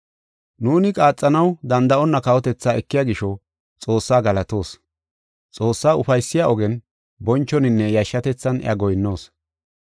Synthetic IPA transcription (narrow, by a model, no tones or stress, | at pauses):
nuːnɪkʼaːt͡sʼːɐnɐwd̪ɐnd̪ɐʔɔnːɐkɐwɔt̪ɛt͡sːaːɛkːɪjaːɡɪʃɔ | t͡sʼo̞ːsːaːɡɐlɐt̪o̞ːs | t͡sʼo̞ːsːaːʊfɐjsːɪjaʔɔɡɛn | bɔnt͡ʃːɔnɪnːɛjɐʃːɐt̪ɛt͡sːɐnʔɪ̰ʔɐ̰ɡɔjnːo̞ːs